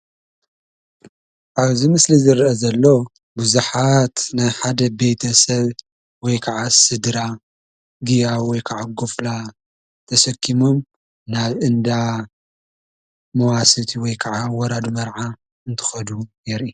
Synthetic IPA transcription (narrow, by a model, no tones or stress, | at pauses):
ʔaβzimɨslizɨɾʔɐzɐlːo̞ | buzuħat̪najħad̪ɐbe̞jt̪ʰɐsɐβ | wɔjkʰaʕasɨd̪ɾa | ɡijawɔjkʰaʕaɡufla | t̪ʰɐsɐkʰːimom | naβʔɨnd̪a | mɐwasɨt̪ʰiwɔjkʰaʕawɔɾad̪umɐɾʕa | ɨnt̪ʰɨ̥xɐd̪ujɛɾʔi